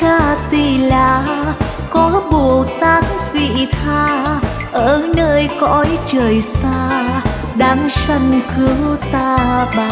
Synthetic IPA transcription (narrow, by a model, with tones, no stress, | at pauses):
xaː˧˩t̪i˧˩laː˨˩ | kɔ˨˦ɓu˨˩əwt̪aː˧˥nvḭ˧˨t̪ʰaː˧ | ʔəː˧˨˩nəː˧jkɔ̰˧˦jt͡ɕəː˨˩jsaː˧ | ɗaː˨˦msə˧jŋxɨ˨˦əwt̪aː˧ɓaː˨˩